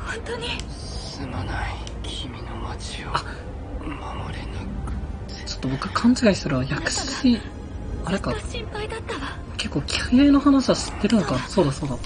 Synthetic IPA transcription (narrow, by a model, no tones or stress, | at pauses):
hõnt̪oɲi | sɨmanai | kʲʰimʲinomat͡ɕioa | mamo̰ɾʲini | t͡ɕo̞̥t̪ːobo̞kɯ̟kʰãɲ̟t͡ɕiɡaisɨɾɯβajakɯ̟̥ɕi̥i | aɾekaɕĩmpaid̪at̪ːaβa | ke̞kːo̞ːkʲʰi̥hɯjainohanaɕiβaɕi̥t̪ːe̞ɾɯ̟no̞kaso̞ːd̪aso̞ːd̪a